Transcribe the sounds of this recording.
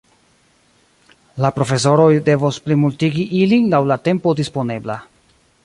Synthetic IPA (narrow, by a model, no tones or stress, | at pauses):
lapɾo̞fe̞s̬o̞ɾo̞jde̞vosplimultiɡiʔilinlawlate̞mpo̞dispo̞ne̞bla̰